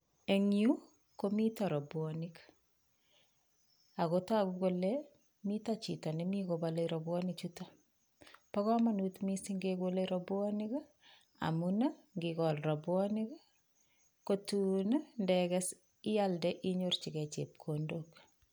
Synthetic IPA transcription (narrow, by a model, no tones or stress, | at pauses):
eŋju | komitaɾɔbwɔnik | akotakukolɛ | mitat͡ʃitɔnimikobaleɾɔbwɔnit͡ʃuta | pakɔmanutmisiŋɡekoleɾɔbwɔnik | a̰munaŋɡikɔlrɔbwɔnik | kotunndɛkɛs | ijaldɛʔiɲort͡ʃikɛt͡ʃḛp̚kʰondok